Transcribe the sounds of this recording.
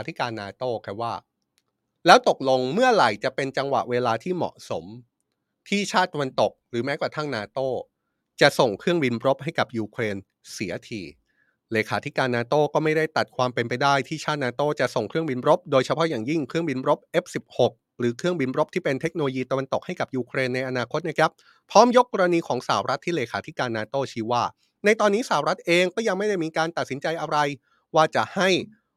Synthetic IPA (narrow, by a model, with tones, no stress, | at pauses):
a˨˦t̪ʰi˦˥kaː˧nːaː˧t̪oː˥˩kʰa˦˧˥waː˥˩ | lɛː˦˥wt̪o˨˩k̚lo˧ŋmɯ˥˩ɐɾa˨˩jt͡ɕa˨˩ʔpe˧nt͡ɕa˧ŋwa̰˨˩ʔweː˧laː˧t̪ʰiː˥˩mɔ̰˨˩ʔso˩˦m | t̪ʰiː˥˩t͡ɕʰaː˥˩t̪ːa˧wa˧nt̪o˨˩k̚ɾɯː˩˦mɛː˦˥kwa˨˩t̪ʰa˥˩ŋnaː˧t̪oː˥˩ | t͡ɕa˨˩ʔso˨˩ŋkʰɾɯ˥˩əŋbi˧nɾo˦˥p̚ha˥˩jka˨˩p̚juː˧kʰleː˧n | si˩˦ɐt̪ʰḭː˧ | leː˧kʰaː˩˦t̪ʰi˦˥kaː˧nːaː˧t̪oː˥˩kɔː˥˩ma˥˩jda˥˩jt̪a˨˩t̪̚kʰwaː˧mpe˧np̬a˧jdaː˥˩jt̪ʰiː˥˩t͡ɕʰaː˥˩t̪̚naː˧t̪oː˥˩t͡ɕa˨˩ʔso˨˩ŋkʰɾɯ˥˩əŋbi˧nɾo˦˥p̚doː˧jt͡ɕʰa˧pʰɔ˦˥jaː˨˩ŋji˥˩ŋkʰɾɯ˥˩əŋbi˧nɾo˦˥p̚ʔe˦˥p̚si˨˩p̚ho˨˩k̚ | ɾɯː˩˦kʰɾɯ˥˩əŋbi˧nɾo˦˥p̚t̪ʰiː˥˩pe˧nt̪ʰe˦˥k̚no˧lo˧jiː˧t̪a˧wa˧nt̪o˨˩k̚ha˥˩jka˨˩p̚juː˧kʰɾeː˧nːa˧jʔa˧naː˧kʰo˦˥t̪̚na˦˥kʰa˦˥p̚ʰ | ɾɔː˦˥mjo˦˥kːɔː˧ɾa˧niː˧kʰɔː˩˦ŋsaː˩˦wɾa˦˥t̪ʰːiː˥˩leː˧kʰaː˩˦t̪ʰi˦˥kaː˧nːaː˧t̪oː˥˩t͡ɕʰiː˦˥˩waː˥˩ | na˧jt̪ɔː˧nːiː˦˥saː˨˩˨wɾa˦˥t̪̚ʔeː˧ŋkɔː˥˩ja˧ŋma˥˩jda˥˩jmiː˧kaː˧nt̪a˨t̪̚si˩˦nt͡ɕa˧jʔa˧ɾa˧j | waː˥˩t͡ɕa˨˩ha˥˩j